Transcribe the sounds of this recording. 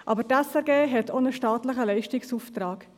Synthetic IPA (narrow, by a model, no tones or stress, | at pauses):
ʔɑ̰bəɾtɛsɛɾɡeːɦɛtʰonəʃtɑːtləχəlɛɪʃtɪksuft̪ɾɑːk